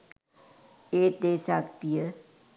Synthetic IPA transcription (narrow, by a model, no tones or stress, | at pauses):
eːd̪eːsakt̪ije